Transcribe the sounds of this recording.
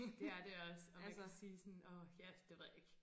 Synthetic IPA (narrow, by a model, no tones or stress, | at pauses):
d̥e̝æɐd̥eɒ̽sɒælsɐsiːsɒnɒːjæd̥e̝ʋe̝ð̰ˠjeɡ̥